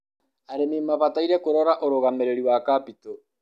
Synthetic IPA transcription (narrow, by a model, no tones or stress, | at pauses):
aɾemimaβat̪ajɾekoɾoɾaʔoɾoɣameɾeɾiwakapit̪o